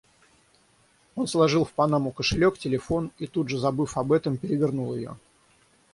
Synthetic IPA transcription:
o̞nslˠɐʐɨlˠfpɐnamʊkəʂɨlʲo̞ktʲɪlʲɪfo̞nit̪ud̪ʐɨzɐbɨfɐbɛt̪əmpʲɪɾʲɪvʲɪrnulˠjɪ̰jo̞̰

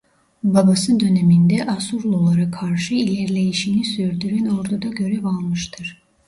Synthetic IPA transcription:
babasɯnd̪ø̞nemind̪ɛʔasuɾlˠolˠaɾakʰːaɾʃɯilʲeɾlʲe̞jiʃinisyɾd̪yɾæno̞ɾd̪ud̪aɟø̞ɾɛvalˠmɯʃt̪ʰɯɾ̥

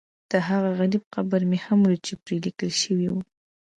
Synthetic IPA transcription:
d̪̥əɦaɣaɣaɾib̚qabaɾmehamɾut͡ʃepɾelikəlʃəwiwu

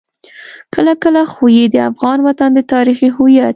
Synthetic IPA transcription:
kəlakəlaxojid̪əa̰fɣɑnwat̪and̪ət̪ɑɾixiɦʊjat̪̚

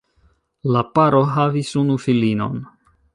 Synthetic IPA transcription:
lapaɾo̞ɦavisunufilino̞̰n

